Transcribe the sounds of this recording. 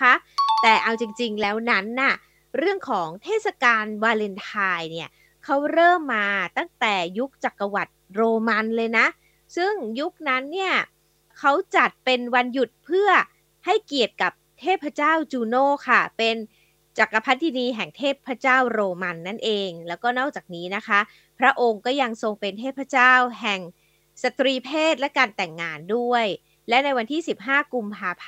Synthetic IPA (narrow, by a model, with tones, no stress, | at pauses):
a˦˥ʔt̪ɛː˨˩ʔa˧wt͡ɕi˧ŋt͡ɕi˧ŋlɛː˦˥wna˦˥nːa˥˩ | ɾɯ˥˩əŋkʰɔː˩˦ŋt̪ʰeː˥˩t̪̚sa˧kaː˧nwaː˧le˧nt̪ʰaː˧jni˥˩ɐ | kʰa˦˥wɾɤː˥˩mːaː˧t̪a˥˩ŋt̪ɛː˨˩ju˦˥k̚t͡ɕa˨˩kːa˧wa˨˩t̪̚ɾoː˧ma˧nlɤː˧jna˦˥ʔ | sɯ˥˩ŋju˦˥k̚na˦˥nːi˥˩ɐ | kʰa˦˥wt͡ɕa˨˩t̪̚pe˧nwa˧nju˨˩t̪̚pʰɯ˥˩ɐ | ha˥˩jki˨˩ət̪̚ka˨˩p̚t̪ʰeː˥˩t̪̚pʰɾa˧˥t͡ɕaː˥˩wt͡ɕuː˧noː˥˩kʰa˥˩pe˧n | t͡ɕa˨˩ka˧pʰa˦˥t̪̚ʰːi˧niː˧ɦɛ˨˩ŋt̪ʰeː˥˩t̪̚pʰːɾa˦˥t͡ɕaː˥˩wɾoː˧ma˧nːa˥˩nʔeː˧ŋlɛː˦˥wkɔː˥˩nɔː˥˩k̚t͡ɕaː˨˩k̚niː˦˥na˦˥kʰa˦˥ʔ | pʰɾa˦˥ʔo˧ŋkɔː˥˩ja˧ŋso˧ŋpe˧nt̪ʰe˥˩t̪̚pʰa˧˥t͡ɕaː˥˩wɦɛ˨˩ŋ | sa˧t̪ɾiː˧pʰeː˥˩t̪̚lɛ˦˥kaː˧nt̪ɛ˨˩ŋːaː˧ndu˥˩əj | lɛ˦˥na˧jwa˧nt̪ʰiː˥˩si˨˩p̚ɦaː˥˩ku˧mpʰaː˧pʰ